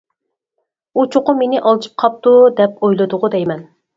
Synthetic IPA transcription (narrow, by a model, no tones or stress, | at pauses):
ut͡ʃʰʊqʊmenɪʔɑlˠt͡ʃʰɨ̥p̚qʰɑp̚t̪ud̪ɛp̚ojlˠɨd̪ʊʁʊd̪ɛjmɛn